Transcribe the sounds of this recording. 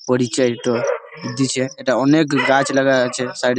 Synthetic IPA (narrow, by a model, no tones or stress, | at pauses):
pəɽit͡ʃʰaeʈo | ud̪it͡ʃʰeːʈaɔnekɡãt͡ʃləɡat͡ʃʰesajɖ